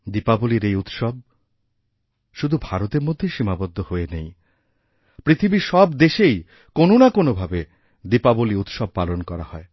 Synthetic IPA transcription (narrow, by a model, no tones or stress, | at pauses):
d̪ipaboliɾejut̪ʃob̚ | ʃud̪ʱubʱaɾot̪eɾmod̪ʱːeʃimabod̪ʱːohoenej | pɾit̪ʰibiʃɔbd̪eʃej | kononakonobʱabe | d̪ipaboliut̪ʃɔb̚palonkɔɾa̰hɔe